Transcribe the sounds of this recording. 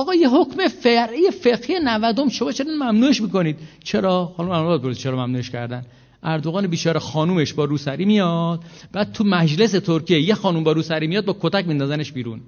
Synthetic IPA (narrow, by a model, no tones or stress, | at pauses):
ɒːɣɒːjeɦokmefeɾhijefeɡhijenævæd̪omʃo̞mɒːt͡ʃʰeninmæmnuːeʃmiːko̞niːd̪̥̚t͡ʃʰe̞ɾɒːxːnumænbɒt̪̚boɾsi̥t͡ʃʰeɾɒːmæmnuːeʃcʰæ̰ɾd̪æn | ʔæɾd̪oɣɒːnebiːt͡ʃʰɒːɾexɒːnuːmeʃbɒːɾuːsæɾiːmijɒd̪̥̚b̥æːd̪̥̚t̪ʰumæd͡ʒle̞set̪ʰoɾkʰiejexɒːnumbɒːɾuːsæɾiːmijɒːd̪̚bɒːkʰot̪æcmind̪ɔːzæne̞ʃbiːɾun